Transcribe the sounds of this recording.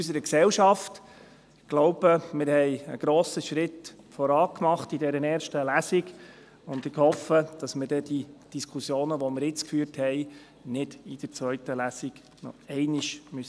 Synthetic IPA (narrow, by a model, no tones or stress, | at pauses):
ysəɾəksɛlʃɑft | ɡ̥lɔʊb̥əmɪɾhɛɪə̰ɡ̥ɾoːsəʃɾɪt | fɔɾɑːkmɑχtidɛɾənɛːɾʃtəlæsiɡ | ʊnd̪ɪkhɔfəd̥ɑsmɪɾd̥ɛd̥id̥iskʰusjoːnəʋɔmɪɾjɪt͡skfyːɾthɛɪ | nɪd̥id̥əɾt͡svœʏtəlæsiɡ̥ | nɔ̰ɛɪniʃmy